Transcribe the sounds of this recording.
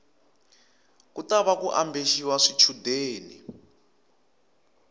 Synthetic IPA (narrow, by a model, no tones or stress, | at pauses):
kutaβakuʔambʱeʃiwaʂit͡ʃʰudeːni